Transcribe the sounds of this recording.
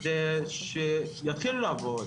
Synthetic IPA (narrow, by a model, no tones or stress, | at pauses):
zeʃejat̪χilulaavod̪